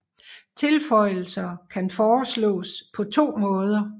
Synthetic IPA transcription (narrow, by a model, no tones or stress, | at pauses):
t͡sʰe̝lfɒ̽ɪ̰l̩sɐkʰænfɒːslɔ̰̽ːspʰɒ̽t͡sʰo̝̰ːmɔ̽ːð̞ˠɐ